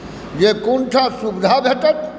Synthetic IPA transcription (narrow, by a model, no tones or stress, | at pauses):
jekuɳʈʰasubd̪ʱabʱeʈət̪